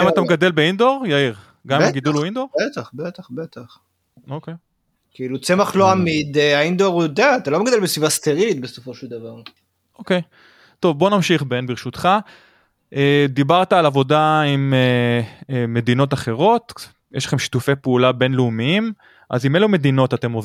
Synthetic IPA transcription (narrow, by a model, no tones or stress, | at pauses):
aimat̪ameɡad̪e̞lbeind̪o̞ʁjaiʁ | ɡamimaɡid̪uluind̪o̞ʁet̪aχbet̪aχbet̪aχ | okej | kiilut͡se̞maχloamid̪eaind̪oʁjod̪eat̪alomeɡad̪elbesvivast̪eʁilit̪besofo̞ʃeld̪avaʁ | ʔoke̞j | t̪o̞vbo̞namʃiχbenbiʁʃut̪χa | ʔed̪ibaʁt̪aːlavo̞daime | mːe̞d̪ino̞t̪aχe̞ʁo̞t̪ | jɛʃlḁχe̞mʃi̥tufe̞jpeulabe̞nleumiim | ʔa̰zimelume̞d̪ino̞tat̪e̞mov